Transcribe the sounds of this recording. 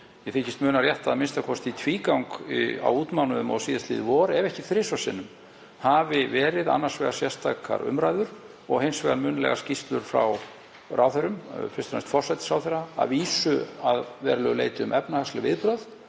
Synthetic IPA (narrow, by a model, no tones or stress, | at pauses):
jɛfɪcɪst̪mʏːnaɾrjɛht̪aðmɪnst̪akʰvɔst̪it̪ʰviːkawŋka̰wuːt̪mawnʏðʏmɔ̰ɣsiːðast̪lḭːðɪvɔːɾɛvɛhcɪfɾɪsvḁsɪ̰nːʏm | havɪvɛːɾɪða̰nːaɾ̥svɛːɣasjɛst̪ʰakʰa̰ɾʏ̰mɾaːjðʏɾ̥ | ɔ̰ɣhensvɛːɣamʏːnlɛ̰ɣascist̪lʏɾ̥fɾa̰w | rawθeɾʏmfɪ̥st̪ɾast̪fɔr̥sajt̪ɪ̥sawθɛɾa̰ːviːsʏaðvɛːɾalœɣʏlḛːjt̪ɪʏmʔɛpnahaslɪvɪðpɾœð